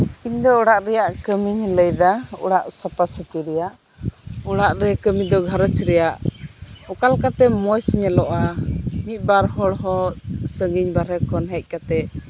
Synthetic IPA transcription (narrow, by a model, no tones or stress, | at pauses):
iɲd̪ɔuɽaʔɾɛjaʔkəmiɲləjd̪aṵɽaʔsapasəpiɾɛjaʔ | uɽaʔɾɛkəmid̪ɔɡʱaɾət͡ʃɾɛjaʔ | ukalkat̪ɛmɔjsɲɛlɔʔamit̪̚ˀbaɾhɔɽɦɔsəŋɡiɲbaɾɛkɔnɦɛc̚ˀkat̪ɛ